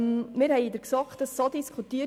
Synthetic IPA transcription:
mmɪɾhɛɪd̪əɾksɑkt̚d̥ɑsːodiskʰχutiə

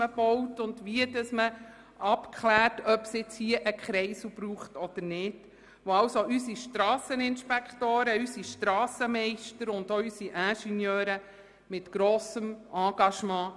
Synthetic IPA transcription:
əb̥ɔwtʊndʋiədəsmə | ʔɑpkʰχlæːrtœpsɪt͡shiːəʔəkχɾɛɪsub̥ɾuːχtɔd̪̥əɾnɪd̥ | ʋoɑwsoʔysiʃtɾɑːsənɪnʃpɛkχtoːɾəysiʃtɾɑːsəmɛɪʃtəɾʊndoysiʔæ̃ːʃinjœːɾə | mɪtɡ̥ɾoːsəmɑ̃ːɡ̥ɑʃmɑ̃ː

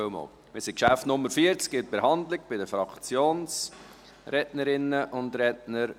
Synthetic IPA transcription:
ømɔ̰ːl | mɪsɪkʃæftnʊmːəɾfiəɾt͡skɪt̚b̥ehɑndlɪɡ̚b̥ɪdəfɾɑkt͡sjoːns | ɾɛtnəɾɪnəʔʊndɾɛtnəɾ

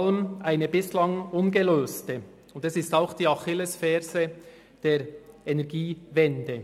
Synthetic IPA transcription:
lənʔaɪnəbɪslɑŋʊnɡəløːstə | ʊndɛsɪstaʊxd̥iːɑχɪləsfɛːɾzə | d̥eːɾɛnɛʁɡiːvɛndə

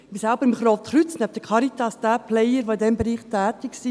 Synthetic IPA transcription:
ʋisɛlbəɾɪmχɾoːftχɾʏt͡snɛp̚t̪əkʰɑɾit̪ɑsd̪̥æːplɛjəɾʋoɪdɛmbɛɾiːχtæːtɪksi

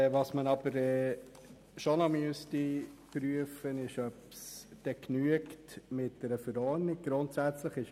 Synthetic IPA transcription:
ʋɑsmənɑb̥əɾɛː | ʃonomyəstipɾyəfənɪʃœpsd̥ɛknyəktmɪt̚d̥ɛɾəfəɾɔːɾnɪk̚ɡ̥ɾʊntsæt͡sləχɪʃ

